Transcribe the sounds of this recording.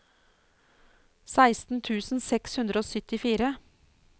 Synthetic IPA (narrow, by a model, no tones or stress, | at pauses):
sæɪst̪n̩t̪ʰʉːsn̩sɛkshʉnd̪ɾəoːsœt̪ɪfiːɾə